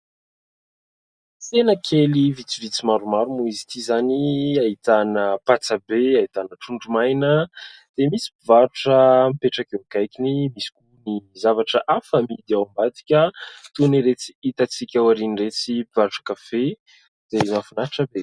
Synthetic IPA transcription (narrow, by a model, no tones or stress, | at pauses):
senəkʰelivit͡sivit͡simaɾumaɾumuizit̪izaniaɦit̪anəpat͡sabeait̪anəʈ͡ʂuɳɖ͡ʐumajnəd̪̥emisi̥bivaɾuʈ͡ʂəmipeʈ͡ʂakekajkinimisi̥kunizavaʈ͡ʂəʔafamid̪eawambat̪i̥kʲət̪uniɾet͡si̥it̪at͡sikʲawaɾiniret͡sibvaɾuʈ͡ʂə̥kafe | d̪̥emafunaʈ͡ʂəbe